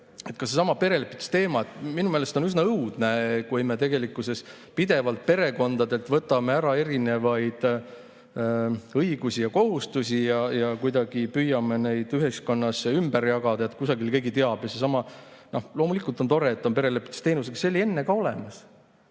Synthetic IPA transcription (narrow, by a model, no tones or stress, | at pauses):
e̞t̪ˑkɑsesɑmɑpe̞ɾe̞lepːˑit̪u̥st̪e̞ːmɑet̪ːminumeːlest̪o̞nysnɑɤwd̪̥nekujmet̪̬e̞ɡe̞likuse̞s | pid̪e̞vɑlt̪̚pe̞ɾe̞ko̞nd̪̥ɑd̪e̞lt̪vɤt̪ːˑɑme̞æɾɑe̞ɾine̞vɑjd̪̥ | ɤiɡ̥usijɑko̞ɦust̪usʲijɑjɑkujd̪ɑɡ̥ipyjɑmene̞jd̪̥yɦesko̞nːɑsːeymbeɾjɑɡ̥ɑd̪̥ɑet̪kusɑɡilke̞ːɡit̪e̞ɑb̥jɑse̞sɑmɑno̞hlo̞ːmulikˑult̪ˑo̞nt̪o̞ɾe̞et̪ːˑo̞npe̞ɾe̞lepːˑit̪u̥st̪e̞ːnus̬eksselʲːie̞nːekɑo̞le̞mɑs